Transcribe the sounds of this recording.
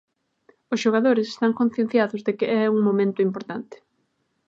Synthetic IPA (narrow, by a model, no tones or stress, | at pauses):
ʊsʃoɣaðoɾɪse̥st̪aŋkon̟θjẽn̟θjaðʊzðekɪɛuŋmomẽnt̪ʊimpoɾt̪ant̪ɪ̥